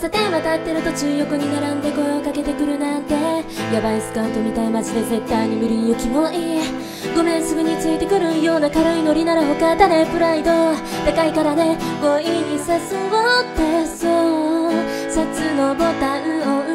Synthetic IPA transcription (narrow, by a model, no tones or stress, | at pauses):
sat̪ẽ̞ɰ̃βat̪at̪ːe̞ɾɯ̟t̪o̞t͡ɕɨːjo̞kɯ̟ɲ̟inaɾãnd̪eko̞eokake̞t̪e̞kɯ̟ɾɯ̟nãnt̪e̞jabaisɨ̥kãɯ̃nt̪o̞mʲit̪aimat͡ɕid̪e̞ze̞t̪ːaiɲ̟imɯ̟ɾʲiɯ̟kʲimoʔe | ɡo̞mẽ̞ɰ̃sɨɡɯ̟ɲ̟it͡sɨit̪e̞kɯ̟ɾɯ̟jo̞ːnakaɾoino̞ɾʲinaɾaɦokat̪ad̪epɯ̟ɾaid̪o̞ | t̪ekaikaɾane̞moiɲ̟isasɨɡot̪ːeso | sat͡sɨnobo̞t̪ãɯ̟o